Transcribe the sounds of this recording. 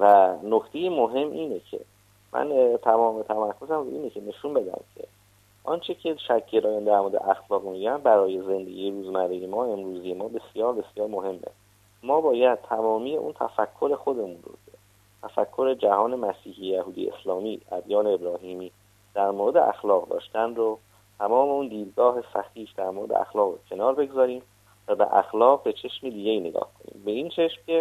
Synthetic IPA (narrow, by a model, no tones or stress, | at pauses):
vænokt̪ʰe̞jemoɦe̞mːʔiːne̞cʰe̞̰ | mʔæ̰nt̪ʰæmɒːmet̪ʰæmæɾkʰo̞zæmɾoʔiːne̞cʰe̞ne̞ʃunbe̞d̪æ̰mcʰe̞̰ | ʔɒnt͡ʃʰecʰe̞ʃæcʰːeɾʔɒːjænd̪æɾmoɾed̪ḛʔæxlɒːɣmiɟænbæɾɒːje̞ze̞nd̪eɡʲiːjeɾuːzmæɾejemɒːe̞mɾuːzijemɒːbe̞sjɒːɾbe̞sjɒːɾmoɦe̞mːḛ | mɒːbɒːjæd̪̚t̪ʰæmɒːmiːjeʔṵnt̪ʰæ̰fækʰːo̞ɾe̞xo̞d̪e̞munro̰cʰe | t̪ʰæfækʰːo̞ɾe̞d͡ʒæhɒːne̞mæsiːhiːejæhuːd̪ḭḛslɒːmiːʔæ̰d̪jɒːneːbɾɒːɦiːmiː | d̪̥æɾmoɾed̪e̞̰ʔæ̰xlɒːɣd̪ɒ̰ːʃt̪ænro | t̪ʰæmɒːme̞und̪iːd̪̚ɡɒːɦe̞sæxiːfd̪æɾmoːɾed̪ḛʔæ̰xlɒːɣocʰe̞nɒːɾbe̞ɡzɒːɾiːm | væbḛʔæ̰xlɒːɣbe̞t͡ʃʰe̞ʃmid̪iːɟʲe̞iːne̞ɡɒ̰ːhkʰo̞nḭːmbe̞iːnt͡ʃʰe̞ʃmce